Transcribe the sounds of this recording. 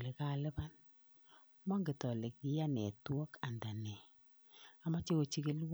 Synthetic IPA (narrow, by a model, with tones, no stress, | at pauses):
le˨ka˦˨lɛ˦ba˦n | mɔ˦ŋɡɪ˨tɔ˨le˨k̚ɪ˨˦ja˦nɛ˨twɔ˦ka˨nda˨nɛ˨ | a˨ma˦t͡ʃe˦wo˨t͡ʃi˦kɪ˦lw